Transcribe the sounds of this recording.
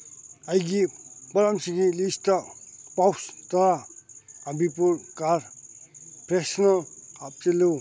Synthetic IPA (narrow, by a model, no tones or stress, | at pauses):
ajɡibɔɾamsiɡilistapawst̪ɔɾa | abipuɾkaɾ | pɾesnɔlap̚telow